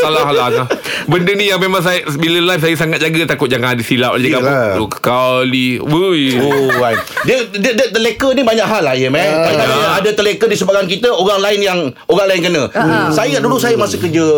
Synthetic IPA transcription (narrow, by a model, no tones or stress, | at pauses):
salaɦalaabəndənijaŋmemaŋsajbiləlajfsajəsaŋat̪̚d͡ʒaɡət̪akʊt̪̚d͡ʒaŋãdisilap̚ad͡ʒəɡaaukə̥kaliəjoajdiədiədət̪əlekənibaɲaʔɦalajəmɛ̃nkalokaiəadat̪əlekədisəbat̚kankit̪əoɾaŋlaɪnjaŋoɾaŋlaɪnkənãsajəɡaʔdulusajəmasəkəd͡ʒə